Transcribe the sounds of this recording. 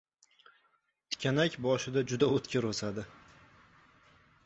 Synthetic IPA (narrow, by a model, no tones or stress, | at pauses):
t̪ʰɪ̥kʲʰanakʲbɒʃɪd̪ad͡ʒʊd̪aot̪kʲɪɾosad̪ɪ